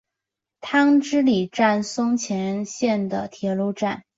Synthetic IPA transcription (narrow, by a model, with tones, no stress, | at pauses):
t̪ʰɑ˥ŋʈ͡ʂɻ̩˥li˨˩ʈ͡ʂa˥˩nsʊ˥ŋt͡ɕʰjɛ˧˥nɕjɛ˥˩nd̪ə˩t̪ʰjɛ˧˥lu˥˧ʈ͡ʂa˥˩n